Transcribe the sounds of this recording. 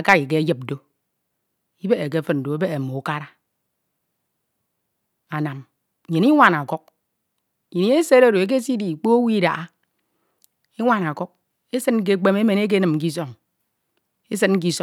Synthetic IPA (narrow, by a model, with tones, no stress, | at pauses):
a˦ka˦ki˨k̬e˦jɨ˦p̚do˦ | i˦be˦e˨k̬e˦fɨ˦n̚n̩˨do˨e˦be˦e˨mo˨u˦ka˦ɾa˦ | a˨na˨m˨ | ɲe˨ni˦ŋʷa˨na˨kɔ˦k̚ | ɲe˨ni˦e˦se˦ɾo˦˨ɾo˨e˨˦k̬e˦si˦di˨k͡po˦o˦wi˦da̰˨ʔa˦ | i˦ŋʷa˨na˨kɔ˦k̚ | e˦sɨ˦t̚ŋ̩˦k̬e˦k͡pe˦me˦me˨ne˦k̬e˦nɨ˨mŋ̩˦k̬i˦s̬ɔ˦˨ŋ | e˦s̬ɨ˦t̚ŋ̩˦k̬i˦sɔ˦